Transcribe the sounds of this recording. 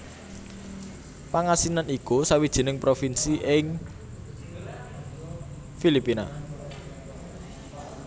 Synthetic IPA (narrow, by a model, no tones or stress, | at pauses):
paŋasinanikusawid̥ʒ̥i̤nɪŋpɾofinsiʔɪŋ | filipina̰